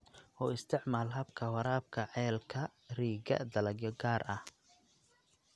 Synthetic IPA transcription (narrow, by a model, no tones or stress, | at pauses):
ʔɔːɪst̪ʰɪʕmaːlɦɐbkʰɐwɐɾaːb̚kʰɐʕɛːlkʰɐriːɡɐ̰d̪ɐlɐɡjɔɡaːrʔɐh